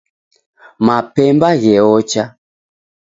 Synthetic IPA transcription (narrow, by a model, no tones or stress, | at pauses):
mapɛmbaɣɛɔt͡ʃa